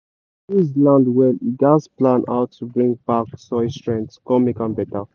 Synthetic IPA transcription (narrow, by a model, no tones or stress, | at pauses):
izlãndwɛlidasplãnʔa̰ʊtʰːubɹĩŋɡbaksɔɪstɹɛ̃ŋtskɔmikãnbɛta